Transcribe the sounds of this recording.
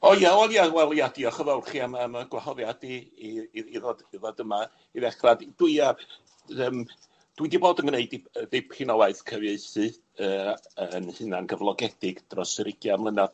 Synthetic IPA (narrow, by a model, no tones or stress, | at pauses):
ɔjaɔnjawɛlˠjadiɔχəvɛwˠrχiamaəmaɡwahɔðjadi | iðɔdiðɔdəma | iðɛχradd̥wɨa | əːm | d̥widiboːdənɡneɨdiədejpʰɪnɔwaɨθkʰəvjeɨsɨ | əːənhɨnanɡəvlˠɔɡɛd̥ɪɡ̥d̥rɔsəɾɪɡjamlˠənað̥